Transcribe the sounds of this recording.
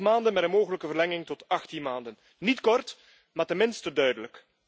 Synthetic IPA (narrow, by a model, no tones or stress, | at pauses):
maːndənmɛtənmoːɣələkəvərlɛŋɪŋtɔtɑxtinmaːndən | nitkɔrt | maːrtɛnmɪnstədœɥdələk